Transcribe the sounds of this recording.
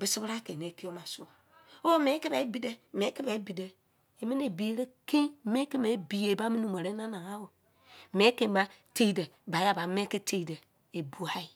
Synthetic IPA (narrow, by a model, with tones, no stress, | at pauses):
bi˨˦si˦bɾa˦ke˨ne˨˦ki˦o˦ma˨su˦a˨ | o˦me˨˦ki˦ba˨i˦bi˨de˦me˨˦ki˦ba˨˦bi˨de˨ | e˨mi˦n˦e˨bi˨e˨ɾe˦ki˦me˦ki˦me˨˦bi˨je˨ba˦mi˦nu˨me˨ɾe˦na˦na˨ŋa˦wo˨ | me˨˦ke˨ma˦te˦i˨de˨ | ba˨˦ja˦ba˨m˦e˦ki˦te˦˨de˨ | e˨bu˨a˦i˨